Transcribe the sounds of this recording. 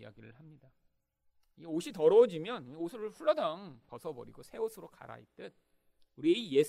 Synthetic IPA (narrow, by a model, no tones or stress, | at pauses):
a̰ɡiɾɯɭhamɲida | iɡeoɕʰitʌɾʌod͡ʑimjʌniosʰɯɾɯɭɸuɭːʌdaŋpʌsʰʌbʌ̰ɾiɡosʰe̞osʰɯɾoka̰ɾa̰ḭt͈ɯt̚ | uɾieije